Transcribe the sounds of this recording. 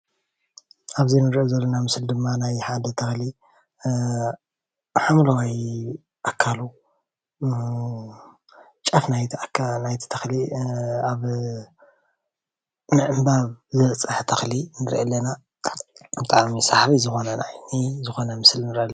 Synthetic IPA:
ʔaβzinɨɾʔozɐlːonamɨsɨld̪ɨmːanajħad̪ɐt̪ʰɐxli | ħamlɐwaj | ʔakʰːalu | t͡ʃʼɐfnajtknajt̪ʰi̥t̪ʰɐxliaβ | nɨʕɨmbaβzɨβɐt͡sʼɨħt̪ʰɐxlinɨɾʔɐlːɐna | bɨt̪ʼaʕmisaħɾizɨxo̞nɐnajnizɨxo̞nɐmɨslnɨɾʔɐlː

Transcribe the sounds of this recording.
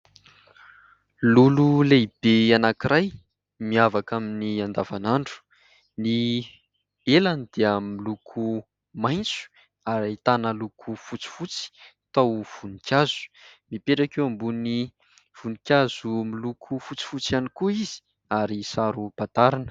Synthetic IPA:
lululeib̥eanakiɾʔaj | miavakaminiand̪avanaɳɖ͡ʐu̥ | ni | elanid̪̥eamilukʰu | majnt͡su̥ | aɾait̪anəlukʰufut͡si̥fut͡si̥t̪awv̥unikʲjaz̥u̥mipeʈ͡ʂakewambuni | v̥unikʲjazumilukʰufut͡si̥fut͡sjanikuizi̥ | aɾisaɾupat̪aɾanə̥

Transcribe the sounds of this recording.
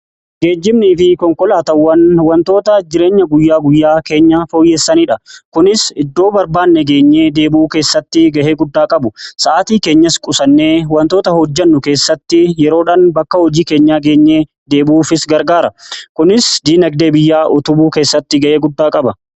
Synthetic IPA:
ɡe̞ːd͡ʒːɪmniːfɪkɔŋkɔlaːt̪ɐwːɐnwɐnt̪o̞ːt̪ɐd͡ʒɪɾeːɲːɐɡʊjːaːɡʊjːaːke̞ːɲːɐfoːjːeːsːɐniːᶑɐkʊnɪsɪd̪ːo̞ːbɐɾbaːnːɛɡe̞ːɲːeːd̪e̞ːbuːke̞ːsːɐt̪ːɪɡɐʔeːɡʊd̪ːaːkʼɐbʊsɐʔaːt̪iːke̞ːɲːɐskʼʊsɐnːe̞ːwɐnt̪o̞ːt̪ɐhɔd͡ʒːɐnːʊke̞ːsːɐt̪ːɪjɛɾo̞ːᶑaːnbɐkːɐhɔd͡ʒiːke̞ːɲːaːɡe̞ːɲːeː | d̪e̞ːbuːfɪsɡɐɾɡaːɾɐkʊnɪsd̪iːnɐɡd̪e̞ːbɪjːaːʔɔt̪ʊbuːke̞ːsːɐt̪ːɪɡɐʔe̞ːɡʊd̪ːaːkʼɐbɐ

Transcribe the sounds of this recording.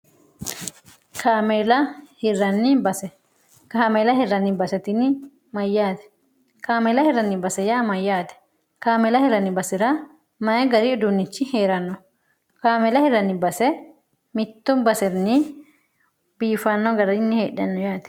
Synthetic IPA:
kʰaːmɛlɐhɪrːɐnːɪbɐsɛ | kaːmelɐhɪɾːɐnːɪbɐsɛt̪ɪnɪ | mɐjːaːt̪ɛ̥ | kaːmɛlɐhɪɾːɐnːɪbɐsɛjamɐjːaːt̪ɛ̥ | kaːmɛlɐhɪɾːɐnːɪbɐsɪɾɐ | mɐɛɡɐɾɪʊd̪ʊnːɪt͡ʃːɪhe̞ːɾɐnːɔ | kaːmɛlɐhɪɾːɐnːɪbɐsɛ | mɪt̪ːʊmbɐsɛɾnɪ | biːfɐnːɔɡɐɾɐɪnːɪheːɗɐnːɔjaːt̪ɛ̥

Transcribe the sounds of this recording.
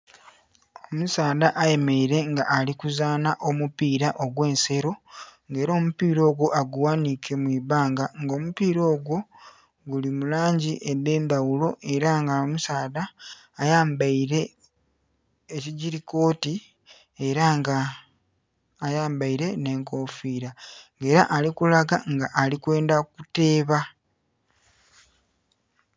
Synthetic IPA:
omusaːðaʔaje̞meiɾe̞ŋɡaʔːlikuzaːnaʔo̞mupiːɾaʔo̞ɡwe̞ːnse̞ɾo̞ŋɡe̞ːɾo̞ːmupiːɾo̞ːɡwo̞ʔaɡuwanikʰe̞mwiːβaːŋɡaŋɡo̞ːmupiːɾo̞ːɡwo̞ | ɡulimulaːɲɟiʔed̪eːnd̪awulo̞ʔe̞ɾaŋɡamusaːðaː | jaːmbaiɾe̞ | ciɟiɾiko̞ːti | eɾaa | jaːmbaiɾe̞ne̞ːŋko̞ːfiːɾaŋɡe̞ːɾaʔalikulaɡaŋɡaʔːlikwe̞ːndakute̞ːβa

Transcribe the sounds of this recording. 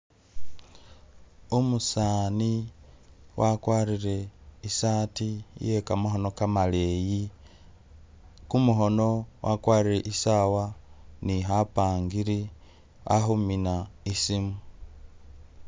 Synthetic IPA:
umusaːni | wakwaːɾiɾe̞isaːtijekamaɦo̞no̞kamaleji | kumuɦo̞no̞wʔa̰kwaːɾiɾeʔisawaniɦapaːŋɡiɾi | a̰huminaisimu

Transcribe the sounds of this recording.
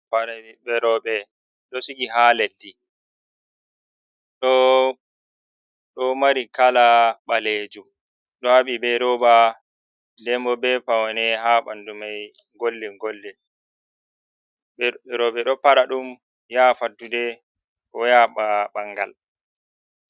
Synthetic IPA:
paɾbɛɾɔɓɛ | ɗɔsikiɦalelːi | ɗɔ | ɗɔmaɾikalaɓaled͡ʒu | ɗɔhaɓibɛɾɔba | dɛmɔbɛpawanɛɦaɓa̰ndumaj | ŋɡolːɛŋɡɔlːɛ | ɛɾɔɓɛɗɔpaɾaɗum | jafadːudɛ | kɔjaɓaɓaŋɡa̰l

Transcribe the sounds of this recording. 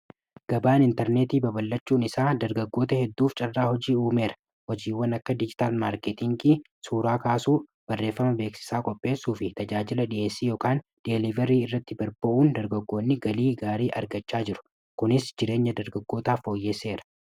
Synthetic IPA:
ɡ̥ɐbaːnɪnt̪ɛɾneːt̪iːbɐbɐlːɐt͡ʃːuːnɪsaːd̪ɐɾɡɐɡːo̞ːt̪ɐhɛd̪ːuːft͡ʃʼɐrːaːhɔd͡ʒiːuːme̞ːɾɐ̥ | hɔd͡ʒiːwɐnɐkːɐd̪ɪd͡ʒɪ̥t̪aːlmaːɾkɛt̪ɪŋɡiː | suːɾaːkaːsuː | b̥ɐrːe̞ːfːɐmɐbe̞ːksɪ̥saːkʼɔpʼːe̞ːsːuːfɪt̪ɐd͡ʒaːd͡ʒɪlɐɗɪʔe̞ːsːiːjo̞ːkaːnd̪̥ɛlɪvɛɾiːɪrːɐt̪ːɪbɐɾbɐʔuːnd̪ɐɾɡɐɡːo̞ːnːɪɡɐliːɡaːɾiːʔɐ̰ɾɡɐt͡ʃːaːd͡ʒɪɾʊ̥ | kʊnɪsd͡ʒɪɾe̞ːɲːɐd̪ɐɾɡɐɡːo̞ːt̪aːfo̞ːjːeːsːe̞ːɾɐ̥

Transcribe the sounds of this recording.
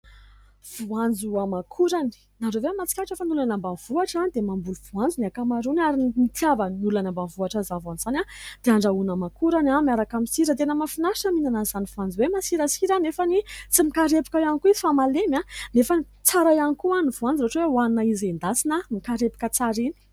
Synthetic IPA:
v̥uand͡zuamakʰuɾani̥ | naɾoveamat͡si̥kʲaʈ͡ʂefanulanambav̥uaʈ͡ʂand̪emambuluvuand͡zuniakamaɾunaɾimit̪javanulanambavuaʈ͡ʂazavanzanad̪̥eaɳɖ͡ʐaunamakuɾanamiaɾakamisiɾət̪enəmafinaʃəminanazanivuand͡zwemasiɾəsiɾanefanit͡simikaɾepi̥kajanikuizi̥famalemanefani | t͡saɾajanikuanivuand͡ziɾoʈ͡ʂwewanunaizend̪asinəmikaɾepi̥kət͡saɾini̥

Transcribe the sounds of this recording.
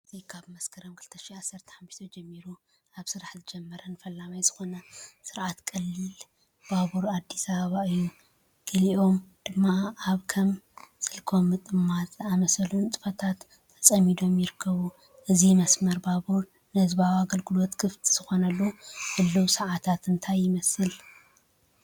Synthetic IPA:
ɨzijkʰaβmɐskʰɐɾomkʰɨlt̪ʰɐʃiʕasːɐɾt̪ʰɐ̥ħamːɨʃt̪ʰod͡ʒɛmːiɾu | aβsɨɾaħzɨd͡ʒɛmːɐɾɐnɨfɐlːamajzɨxo̞nɐsɨɾʔat̪kʼɐlːɨl | b̥aβuɾad̪ːisɐβɐβaɨjːu | ɡ̥ɨliʔo̞md̪̥ɨmːaaβkʰɐmsɨlkʰo̞mːɨt̪ʼɨmːat̪ʼamɐsɐlunt͡s̪ʼɨ̥fɐt̪ʰat̪ʰːɐ̥sʼɐmːid̪o̞mjɪɾɨkʰːɐβu | ʔɨzijmɐsmɐɾbaβuɾ | nɨhɨzbawaɡɐlɡɨlo̞t̪kʰɨft̪ʰi̥z̥ɨxo̞nɐlːuhɨlːuwsɐʕat̪ʰat̪ɨnt̪ʰajːɪmɐsɨl

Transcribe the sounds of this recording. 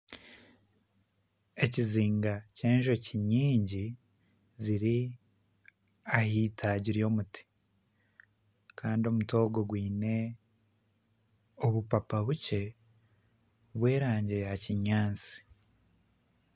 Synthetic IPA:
e̞ciziːŋɡaceːnʒo̞ciɲiːɲɟi | ziɾi | ahiːtʰaɟiɾijo̞ːmuti̥ | kaːndio̞muto̞ːɡo̞ɡwiːne̞ | oβupapaβuce̞ | βwe̞ːɾaːɲɟiɾehaciɲaːnt͡si̥

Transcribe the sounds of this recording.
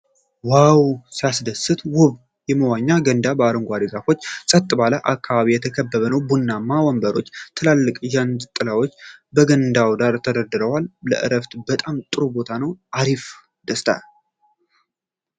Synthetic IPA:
wawsijasd̪əsɨt̪ʰwʊβ | jɛməwaɲːaɡənd̪abəaɾɨŋɡʷad̪əɡafo̞t͡ʃːsʼət̪ʼːɨbaləʔakːaβaβijɛt̪ʰəkʰəbːəβənəwbunːamawɔmbəɾo̞t͡ʃːt̪ʰɨlalːɨkʼʒand̪ɨt̪ʼːɨlawo̞t͡ʃːbəɡənd̪awd̪aɾt̪ʰəd̪əɾd̪ɨɾəwalːə̰ʔɨ̰ɾəft̪bət̪ʼamt̪ʼɨɾubo̞t̪ʰanəwaɾif | d̪̥əst̪ʰa̰

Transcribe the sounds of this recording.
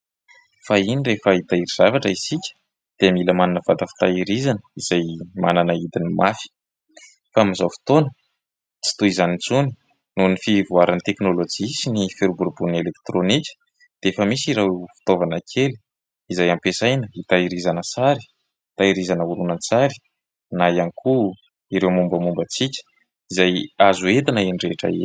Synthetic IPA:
fainirefəit̪aiɾiz̥avaʈ͡ʂəisikʲə̥ | d̪̥eamiləmananəva̰d̪əfi̥t̪aiɾizanəiz̥ajmananəid̪inimafi̥ | faamizawfi̥t̪onə | t͡si̥t̪uizanit͡suni̥ | nunifivuaɾant̪eknolod͡ʒisinifeɾubuɾbunelek̚t̪ɾonikʲə̥ | d̪̥eefəmisiɾewfu̥t̪ovanəkʰeli̥ | izajampesajnəit̪aiɾizanəsaɾi̥ | t̪aiɾizanəuɾunant͡saɾi̥ | najanikʰu | iɾewmumbəmumbət͡sikʲə̥ | izajazuet̪anəeɳɖ͡ʐeʈ͡ʂa̰ḛ

